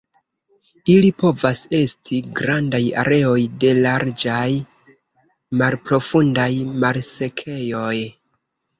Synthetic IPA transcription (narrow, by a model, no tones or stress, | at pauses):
ilipo̞vase̞stʰiɡɾandaja̰ɾe̞o̞jde̞laɾd͡ʒaj | malpɾo̞fundajmalse̞kʰe̞jo̞j